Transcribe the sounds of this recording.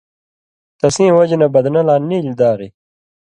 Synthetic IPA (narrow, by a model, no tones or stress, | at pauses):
t̪ɐsĩːwɐd͡ʑnɐbɐd̪nɐlaːniːlid̪aːɾi